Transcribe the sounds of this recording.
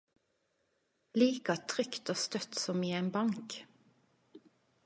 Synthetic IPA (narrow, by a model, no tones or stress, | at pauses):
liːkɑt̪ʰʁʏkt̪oːst̪œt̪sɔmiːeːnbɑŋk